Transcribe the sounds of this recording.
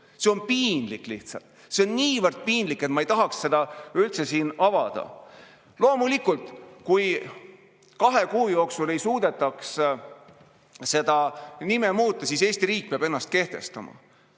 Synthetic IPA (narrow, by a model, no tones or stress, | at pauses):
se̞o̞npiːnlikːˑliht̪sɑ̰lt̪ | se̞o̞nːiːvərd̪̥̚piːnd̪likːˑet̪mɑejt̪ɑɦɑksse̞d̪̥ɑylt̪se̞siːnɑvɑd̪̥ɑ̰ | lo̞ːmulikult̪ˑkuj | kɑɦe̞kuːjo̞ːksule̞jsuːd̪̥e̞t̪ːˑɑks | se̞d̪̥ɑnimemuːt̪ˑːɑsiːse̞ːst̪iɾiːk̚peɑbe̞nːɑst̪̚ke̞ht̪e̞̰st̪ɑmɑ̰